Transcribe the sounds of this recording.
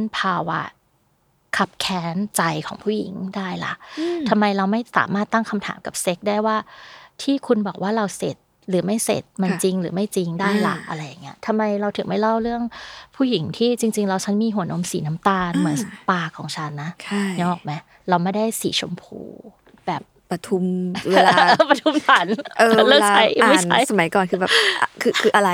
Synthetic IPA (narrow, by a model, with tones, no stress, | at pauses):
a˦˥npʰaː˧wa̰˦˥ | kʰa˦˥p̚kʰɛː˦˥nt͡ɕa˧jkʰɔ̰ː˩˦ŋpʰuː˥˩jḭ˨˩˦ŋdaː˥˩jla̰˨˩ʔt̪ʰa˧mːa˧jɾa˧wma˥˩jsa̰ː˩˦maː˥˩t̪ːa˥˩ŋkʰa˧mt̪ʰa̰ː˩˦mka˨˩p̚se˦˥k̚daː˥˩jwaː˥˩t̪ʰiː˥˩kʰu˧nbɔː˨˩k̚waː˥˩ɾa˧wse˨˩t̪̚ | ɾɯː˩˦ma˥˩jsḛ˨˩t̪̚ma˧nt͡ɕi˧ŋɾɯ̰ː˩˦ma˥˩jt͡ɕi˧ŋdaː˥˩jla̰˨˩ʔa̰˧ɾa˧jːaː˨˩i˦˥ɐt̪ʰa˧mːa˧jɾa˧wt̪ʰɯ˨˩˦ma˥˩jla˥˩wɾɯ˥˩əŋpʰuː˥˩ji˩˦ŋt̪ʰiː˥˩t͡ɕi˧ŋt͡ɕi˧ŋɾa˧wt͡ɕʰa˦˥nmiː˧ɦu˩˦əno˧˥msiː˩˦na˦˥mt̪aː˧nmɯ˩˦ənpaː˧˩kʰɔː˩˦ŋt͡ɕʰa˦˥nːa˦˥t͡ɕʰa˥˩jɲɔː˥˩k̚ma˦˥j | ɾa˧wma˥˩jda˥˩jsiː˩˦t͡ɕʰo˧mpʰṵː˧ | bɛː˨˩p̚pa˧t̪ʰu˧mwe˧laː˧pɾa˧t̪ʰu˧˥mt̪ʰa˨˦nʔɤː˧lɤː˥˩lat͡ɕːʰa˦˥jma˥˩˨t͡ɕa̰˦˥jsa˧ma˩˦jkɔː˨˩nkʰɯ˧bɛː˨˩pkʰɯː˧kʰɯː˧ʔa˧ɾa˧j